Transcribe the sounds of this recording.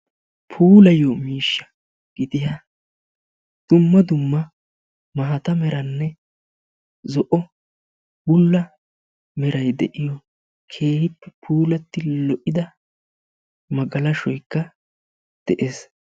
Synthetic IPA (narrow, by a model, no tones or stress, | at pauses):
pʰuːlɐjoːmiːʃːɐ̥ | ɡ̥ɪd̪ɪja | d̪̥ʊmːɐd̪ʊmːɐ | mɐɦɐt̪ɐmɛɾɐnːɛ | zɔʔɔ | bʊlːɐ | mɛɾɐjd̪ɛʔɪjɔ | kʰe̞ːhɪpːɛpʰuːlɐt̪ːɪlɔʔɪd̪ɐ | mɐɡɐlɐʃɔjkːɐ | d̪̥ɛʔe̞ːs